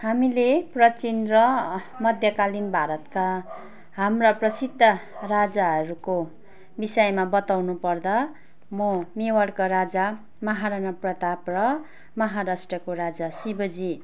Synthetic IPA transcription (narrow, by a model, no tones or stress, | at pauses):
hamileprʌt͡sind̪rʌ | mʌd̪ʱjʌkalinbʱaɾʌt̪ka | ɦamrʌprʌsid̪ʱːʌrad͡zaɦʌɾuko | bisʌjmabʌt̪awnupʌrd̪a | momewʌɽkaɾad͡za | mʌɦaɾanʌprʌt̪aprʌ | mʌɦaɾasʈrʌkoɾad͡zasibʌd͡zi